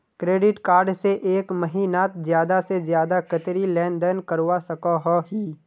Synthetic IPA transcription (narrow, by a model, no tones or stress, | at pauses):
kɾeːɖɪʈkaːɾɖseʔeːkməɦiːnaːt̪zjaːd̪asezjaːd̪akət̪ɾilɛ̃ːnd̪ənkəɾwasəkaɦɔɦiː